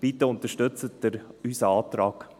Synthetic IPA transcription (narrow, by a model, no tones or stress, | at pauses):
b̥it̪əʊnt̪əʃtɵt͡sət̚d̥əɾysəɑːt̪ɾɑːɡ̥